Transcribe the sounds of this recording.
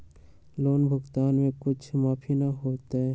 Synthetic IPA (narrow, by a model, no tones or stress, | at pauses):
loːnbʱʊɡt̪aːnmẽkʊt͡ʃʰmaːpʰinɐɦoːt̪eɦɛ